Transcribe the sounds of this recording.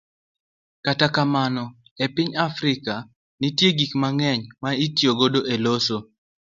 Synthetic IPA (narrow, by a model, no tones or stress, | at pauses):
katakamanɔ | epɪɲafɾɪka | nitjeɡikmaŋɛɲmaitjoɡodoʔeloso